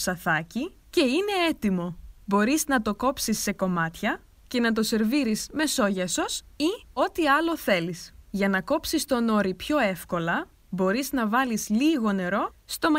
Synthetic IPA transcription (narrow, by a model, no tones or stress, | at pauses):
sɐθɐci | ce̞ine̞et̪imo̞bo̞ɾiznɐt̪o̞ko̞psisːe̞ko̞mɐt̪çɐ | ce̞nɐt̪̬o̞se̞ɾviɾizme̞so̞ʝɐsos | io̞t̪iɐlo̞θe̞lisʝɐnɐko̞psist̪o̞no̞ɾipço̞e̞fko̞lɐ | bo̞ɾiznɐvɐlizliɣo̞ne̞ɾo̞st̪o̞mɐ